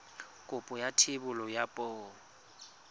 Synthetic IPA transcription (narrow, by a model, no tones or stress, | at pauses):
kʼʊpʼʊjatʰɪbʊlɔjapʼɔː